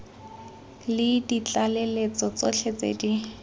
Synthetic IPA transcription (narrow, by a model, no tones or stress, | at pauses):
lɪdit͡ɬalelet͡sɔt͡sɔt͡ɬʰet͡sʼḛdi